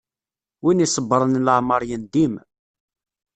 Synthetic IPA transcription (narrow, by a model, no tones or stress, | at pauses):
winisˤəbːəɾˤənləʕməɾˤjənd̪im